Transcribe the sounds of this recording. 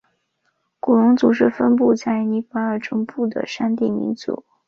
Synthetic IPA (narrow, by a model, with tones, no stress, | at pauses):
ku˨˩lʊ˧˥ŋt͡su˨˩ʂ̬ɻ̩˥˩fə˥np̬u˥˧t͡sa˥˩ɪni˧˥fa˥ə˞˥˩ʈ͡ʂʊ˥ŋpu˥˩d̪ə̰˩ʂa˥nt̪i˥˩mḭ˧˥nt͡sṵ˨˩˥